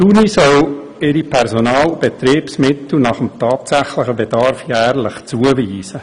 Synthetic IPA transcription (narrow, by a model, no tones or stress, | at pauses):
tunisœl | ɪɾipʰɛɾsonɑːlb̥et̪ɾiːpsmɪt̪l̩nɑχəmtɑːt̪sæχlɪχəbed̥ɑɾfjæːɾlɪχt͡suəviːsə